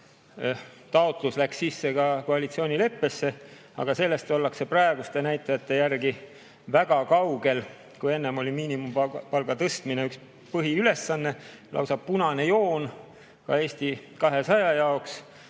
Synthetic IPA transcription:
t̪ɑo̞t̪luslæksːisːe̞kɑko̞ɑlit̪sio̞ːnʲile̞pːe̞sːe̞ | ɑ̰ɡ̥ɑse̞lːe̞st̪o̞lːɑkse̞prɑe̞ɡ̥ust̪e̞næjt̪ˑːɑjɑt̪ːˑe̞jærɡi | væɡ̥ɑkɑwɡe̞l | kuje̞nːemo̞lʲimiːnimumpɑlɡ̥ɑt̪ɤst̪mineyks | pɤɦiyle̞sːɑnːe̞ | lʔɑ̰wsɑb̥̚punɑne̞jo̞ːn | kɑ̰e̞ːsʲt̪ikɑɦe̞sɑjɑjɑoks

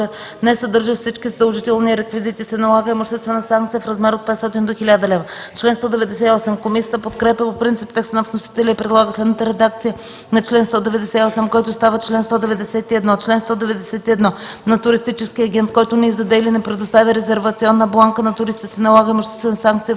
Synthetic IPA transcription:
nɛsɐd̪ɤɾʒəfsit͡ʃkizɐd̪əlˠʒit̪ɛlˠniɾɛkvizit̪isɛnɐlˠaɡəimoʃt̪ɛst̪vɛnəsãŋkt̪sijəfɾɐzmɛɾot̪̚pɛt̪st̪ɔt̪ind̪oxilʲad̪ɐlɛvət͡ʃlɛnst̪ɔd̪ɛvɛd̪ɛsɛiɔsɛmkomisʲiət̪əpot̪kɾɛpʲəpopɾint̪sip̚t̪ɛkst̪ənɐfnosi̥t̪ɛlʲəipɾɛd̪lˠaɡəslɛd̪nət̪əɾɛd̪ak̚t̪sijə | nɐt͡ʃlɛnst̪ɔd̪ɛvɛd̪ɛsɛiɔsɛmkɔjt̪ʊst̪avət͡ʃlɛnst̪ɔd̪ɛvɛd̪ɛsɛt̪iɛd̪nɔt͡ʃlɛnst̪ɔd̪ɛvɛd̪ɛsɛt̪iɛd̪nɔnɐt̪ʊɾist̪it͡ʃɛskiɐɡʲɛnt̪̚kɔjt̪ʊnɛizɐd̪ɛlinɛpɾɛd̪ost̪avʲjəɾɛzɛɾvɐt̪siɔnːəblˠaŋkənɐt̪ʊɾist̪isɛnɐlˠaɡəimoʃt̪ɛ̥st̪vɛnəsaŋk̚t̪sijə

